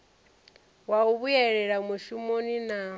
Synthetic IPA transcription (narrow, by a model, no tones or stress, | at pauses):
wauβujɛɺɛɺamuʃumonina